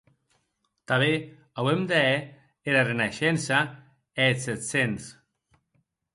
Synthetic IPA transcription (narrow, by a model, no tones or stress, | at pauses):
t̪aβe | awemd̪eɛ | eɾarenaʃɛnsa | eset̪sens